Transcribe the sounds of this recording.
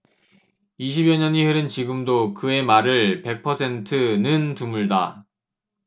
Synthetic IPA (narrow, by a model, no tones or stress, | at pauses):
iɕ̬ʰibjʌɲʌniheɾɯnt͡ɕiɡɯmdokɯe̞maɾɯɭpe̞k̚pʰʌsʰe̞ntʰɯnɯntumuɭda